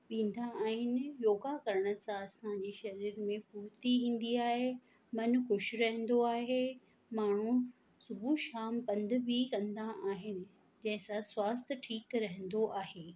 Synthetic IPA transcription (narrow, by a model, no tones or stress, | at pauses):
ʋĩːn̆d̪aaːɦɪnɪ̆joːɡakɐɾəɽ̃ə̆sãɐsãɦãɲd͡ʑiʃɐɾiːɾmẽxuːbt̪iɦĩːn̆d̪iaːɦe | mɐnxʊʃɾɐɦɛ̃n̆d̪oaːɦe | maːɳ̤ũ | sʊbʱuʃaːmpɐ̃nd̪bʱikɐ̃nd̪aaːɦɪnɪ̆ | d͡ʑɐ̃ɦɪ̃sãswaːs̬t̪ʰʈʰiːkɾɐɦə̃n̆d̪oʔaːɦeː